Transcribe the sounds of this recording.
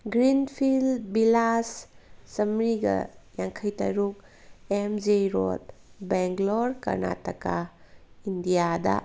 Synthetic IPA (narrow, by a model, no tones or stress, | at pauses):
ɡɾinpʰildbilassɐmɾiɡɐ̰jaŋkʰɐjtɐ̰ɾuk̚ | emd͡ʒeɾo̰t̚beŋɡloɾkɐ̰ɾna̰tɐka | indijadɐ̰